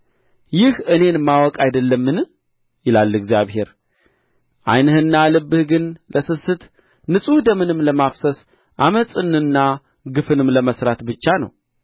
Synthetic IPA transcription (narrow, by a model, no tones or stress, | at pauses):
jɪhɨne̞nmːawɔkʼajd̪əlːəmːɨn | jɪlalːɨɡzijaβɦe̞ɾ | ʔa̰jnɨhɨnːalɨbːɨhɡɨnlʔəsɨsːɨt̪ | nɨsʼud̪əmɨnɨmːləmafsəs | ʔaməsʼɨnɨnːa | ɡɨfɨnɨmləməsɾat̪bɨt͡ʃːanə̰w